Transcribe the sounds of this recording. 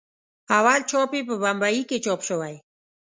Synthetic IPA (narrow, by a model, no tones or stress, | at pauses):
awalt͡ʃɔpepəbambajiket͡ʃɔpʃəwaj